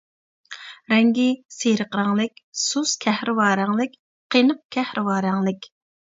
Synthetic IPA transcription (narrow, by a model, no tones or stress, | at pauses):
ɾɛŋɡʲiseɾəqɾɑŋlˠɨkʲsuskʲʰɛhɾɪwɑːɾæŋlˠɨkʲ | qʰenəq̚kʲʰɛhɾʔɪwɑːɾæŋlˠɪkʲ